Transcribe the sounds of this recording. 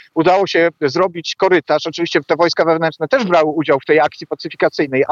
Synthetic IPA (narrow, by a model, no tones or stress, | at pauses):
ud̪awɔɕɛzɾɔbʲit͡ɕkɔɾɘt̪aʂɔt͡ʂɘvʲiɕt͡ɕɛt̪ɛvɔjskavɛvnɛnt͡ʂnɛt̪ɛʐbɾawɘud͡ʑawft̪ɛjakt̪sʲipat̪sɘfʲikat̪sɘjnɛj